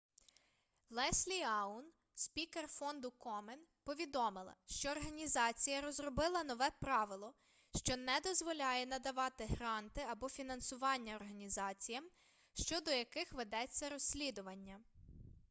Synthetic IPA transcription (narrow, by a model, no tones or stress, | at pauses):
lˠɛsʲlʲiɑʊn | spʲikerfɔnd̪ʊkɔmenpɔʋʲid̪ɔmɪlˠɐ̰ʃt͡ʃɔːrɦɐnʲizɑt͡sʲijɐɾɔzɾɔbɪlˠɐnɔʋɛpɾɑʋɪlˠɔ | ʃt͡ʃɔnɛd̪ɔzʋɔlʲɑjɛnɐd̪ɐʋɑt̪ɪɦɾɑnt̪ɪɐbɔfʲinɐnsʊʋɑnʲːɐɔrɦɐnʲizɑt͡sʲijɐm | ʃt͡ʃɔd̪ɔjɐkɪxʋed̪ɛt͡sʲːɐɾɔsʲlʲid̪ʊʋɐnʲːɐ